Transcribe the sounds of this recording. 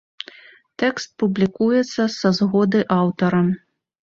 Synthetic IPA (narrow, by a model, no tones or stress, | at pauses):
t̪ɛkst̪̚publʲikujɛt̪sːɐsɐzɣɔd̪ɨʔawt̪ɐɾɐm